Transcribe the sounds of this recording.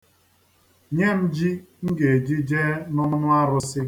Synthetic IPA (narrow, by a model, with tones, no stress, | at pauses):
ɲe˦m̩˦d͡ʒi˦ŋ̩˦ɡe˨e˨d͡ʒi˦d͡ʒe˦nʊ˦nʊ˦nʊ˦a˦ɾʊ˦sɪ˦